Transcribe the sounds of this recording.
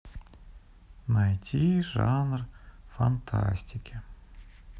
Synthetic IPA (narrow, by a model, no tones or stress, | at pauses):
najtʲʰiʐanrfant̪ʰa̰sʲtʲɪkʲɪ